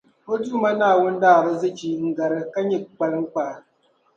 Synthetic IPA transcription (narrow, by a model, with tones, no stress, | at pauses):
po˦du˦ma˦naː˦˨wo˦n̩˦daː˦˨ɾɨ˦zɨ˦t͡ʃi˨ŋ̩˨ɡa˨ɾɨ˦ka˦ɲi˦˨k͡pa˨lɨ˦ŋ̩˦k͡paː˨